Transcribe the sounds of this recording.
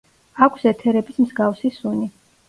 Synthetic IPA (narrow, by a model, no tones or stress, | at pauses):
akʷʰsɛt̪ʰɛɾɛbismzɡafsisuni